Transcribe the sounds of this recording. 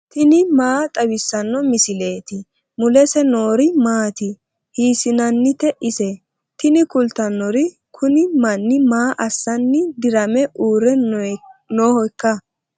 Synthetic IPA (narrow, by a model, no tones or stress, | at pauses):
t̪ɪnɪmaːt̪ʼɐbɪsːɐnːɔmɪsɪle̞ːt̪ɪ | mʊlɛsɛnoːɾɪmaːt̪ɪ | hiːsɪnɐnːɪt̪ɛʔɪsɛ | t̪ɪnɪkʊlt̪ːɐnːɔɾɪ | kʰʊnɪmɐnːɪmaːʔɐsːɐnːɪd̪ɪɾɐmɛʔuːɾɛ | noːhɔjkːɐ